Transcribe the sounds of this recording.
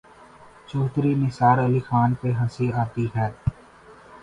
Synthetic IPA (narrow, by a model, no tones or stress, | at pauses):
t͡ʃuːt̪ɾimɪsaːɾɐlɪkʰmaːnpeɦɐ̃siaːt̪iɦɛː